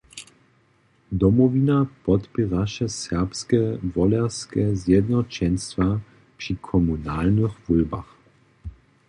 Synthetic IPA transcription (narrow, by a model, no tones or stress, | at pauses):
d̪ɔmɔvinapɔt̪piʁaʃɛsɛʁpskɛvɔlɛʁskɛzjɛd̪nɔt͡ɕɛnst̪va | pʂikʰɔmunalnəxvulba̰x